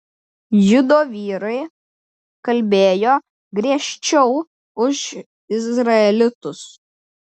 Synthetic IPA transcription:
jʊd̪oːʋʲiːɾɐɪ | kɐlʲbʲeːjoː | ɡɾʲiɛʃʲt͡ʃʲɛʊ | ʊʃ | ɪzɾɐɛlʲɪt̪ʊs

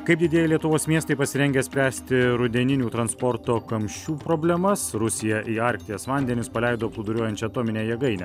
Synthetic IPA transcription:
kɐɪpd̪ʲɪd̪ʲeɛjɛlʲiɛt̪ʊʋoːsmʲiɛst̪ɐɪpɐsʲɪɾʲɛŋʲɡʲɛsʲpʲɾʲæːsʲt̪ʲɪɾʊd̪ʲɛnʲɪnʲuːt̪ɾɐnspɔɾt̪oːkɐmʲʃʲt͡ʃʲuːpɾoːbʲlʲɛmɐsɾʊsʲɪjɛʔiːɑɾʲkt̪ʲɪjɛsʋɑˑnʲd̪ʲɛnʲʊspɐlʲɛɪd̪oːplˠʊd̪ʊɾʲuɔjɛnʲt͡ʃʲɛɐt̪oːmʲɪnʲeːjɛɡɐɪnʲɛ

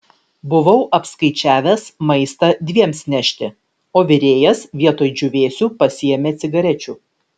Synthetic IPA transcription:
bʊʋɐʊʔɐpskɐɪt͡ʃʲæːʋʲɛsmɐɪst̪ɐd̪ʲʋʲiɛmsnʲæʃʲt̪ʲɪ | oːʋʲɪɾʲeːjɛsʋʲiɛt̪oːjd͡ʒʲʊʋʲeːsʲuːpɐsʲɪjɛmʲeːt̪sʲɪɡɐɾʲɛt͡ʃʲuː

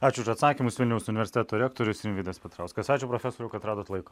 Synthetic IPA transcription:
ɑːt͡ʃʲʊʊʃɐt̪sɑːkʲimʊsʋʲɪlʲnʲɛʊsʊnʲɪʋʲɛɾʲsʲɪt̪ʲæːt̪oːɾʲɛːkt̪oːɾʲʊsinʲʋʲiɪd̪ʲɛspʲɛt̪ɾɑʊskɐsɑːt͡ʃʲʊpɾofʲɛsoːɾʲɛʊkɐt̪ɾɑːd̪oːt̪lˠɐɪko

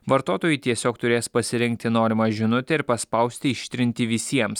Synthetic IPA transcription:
ʋɐɾt̪oːt̪oːjʊɪt̪ʲiɛsʲoːkt̪ʊɾʲeːspɐsʲɪɾʲɪŋk̚t̪ʲɪnoːɾʲɪmɑːʒʲɪnʊt̪ʲɛɪɾpɐspɐʊsʲt̪ʲɪɪʃʲt̪ʲɾʲɪnʲt̪ʲɪʋʲɪsʲiɛms

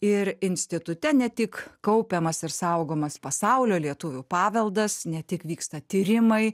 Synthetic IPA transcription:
ɪɾɪnʲsʲt̪ʲɪt̪ʊt̪ʲɛnʲɛt̪ʲɪkkɐʊpʲemɐsɪɾsɐʊɡoːmɐspɐsɐʊlʲoːlʲiɛt̪ʊʋʲʊpɑːʋʲɛlˠd̪ɐsnʲɛt̪ʲɪkʋʲiːkst̪ɐt̪ʲiːɾʲɪmɐɪ

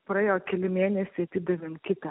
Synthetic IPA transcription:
pɾɐjoːkʲɛlʲɪmʲeːnʲɛsʲɪt̪ʲɪd̪ʲɛʋʲɪmkʲɪt̪ɐ

